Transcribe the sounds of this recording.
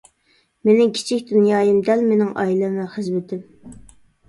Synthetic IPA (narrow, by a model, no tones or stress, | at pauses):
menɪŋkʲʰi̥t͡ʃʰikʲd̪unjɑːjɨmd̪ɛlmenɪŋʔɑ̰ːilɛmɛχəzmɪt̪ʰɪm